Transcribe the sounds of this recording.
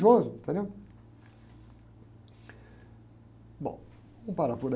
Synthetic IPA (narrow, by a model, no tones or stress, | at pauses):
ʒozʊ̃t̪ẽnew | bõ̰w̃ | ũpaɾapoɾ